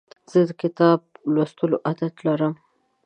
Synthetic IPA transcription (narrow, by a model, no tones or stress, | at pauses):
z̥əd̪əkɪt̪ɑb̚last̪əloʔad̪at̪laɾəm